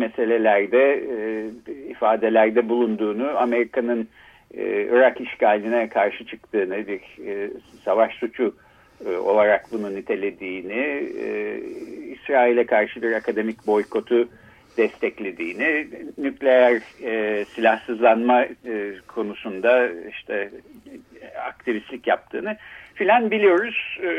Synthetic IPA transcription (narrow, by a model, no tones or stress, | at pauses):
mese̞lʲe̞lʲæɾd̪ɛ | ifaːd̪e̞lʲæɾd̪ɛbulˠund̪uːnuame̞ɾikanɯn̰ː | ɯ̰ɾakiʃcaːlʲinɛkʰaɾʃɯt͡ʃʰɯk̚t̪ɯːnɯbiɾ | savaʃsut͡ʃʰu | o̞̰lˠaɾakbununit̪ʰe̞lʲe̞d̪iːnḭ | isɾaːilʲɛkʰaɾʃɯbiɾakʰad̪e̞micbo̞jkʰo̞t̪ʰu | d̪̥ɛst̪ʰɛclʲe̞d̪iːnɪnyclʲe̞jæɾsilʲahsɯzlˠanmakʰo̞nusund̪aiʃt̪ʰɛ | a̰k̚t̪ʰivislʲicjap̚t̪ʰɯːnɯfilʲanbilʲijo̞ɾuz̥